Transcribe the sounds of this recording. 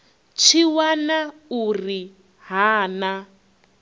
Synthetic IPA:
t͡ʃʰiwanauri | ɦaːna

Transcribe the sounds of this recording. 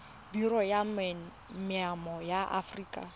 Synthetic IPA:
birɔjam | mɪamɔjaʔa̰friːkʼa̰

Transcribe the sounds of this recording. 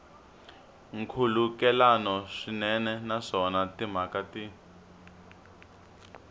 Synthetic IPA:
ŋkʰulukɛlanɔʂinɛnɛnaʂɔnatim̤akati

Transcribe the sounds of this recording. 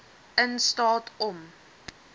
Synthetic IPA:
ənstɑːtʰɔm

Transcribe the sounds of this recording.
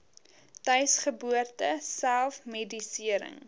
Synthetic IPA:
tœɥsχəbuərtəsælˠfmedisiəɾə̰ŋ

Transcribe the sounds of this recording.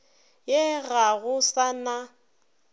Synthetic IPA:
jeɣaɣʊsana

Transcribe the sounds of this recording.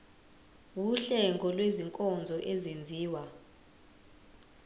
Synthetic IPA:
wuɬɛŋɡʱɔlweziŋkʼɔnd͡zʱɔʔezend͡zʱiːwa

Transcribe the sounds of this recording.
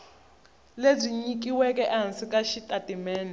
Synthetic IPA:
leb͡ʐʷiɲik̬ʼiwɛkʼɛʔansikʼaʃitʼatʼimɛːna

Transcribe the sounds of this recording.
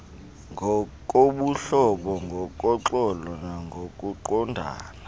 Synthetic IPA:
ŋʱɔkʼoɓuɬɔɓɔŋɡʱɔkʼɔǁɔlɔnaŋɡʱokʼuǃɔndʱa̰ːna

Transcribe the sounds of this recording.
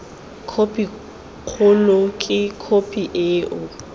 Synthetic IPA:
kʰopʼi | k͡xʰʊlʊkʼɪkʰopʼiʔeːʔʊ

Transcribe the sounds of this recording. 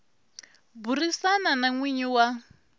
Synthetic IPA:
burisananaŋwiɲiwa

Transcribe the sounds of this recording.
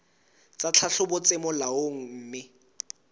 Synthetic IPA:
t͡sʼat͡ɬʰaɬʊbʊt͡sʼɪmɔlaoŋ̩m̩ːmɪ

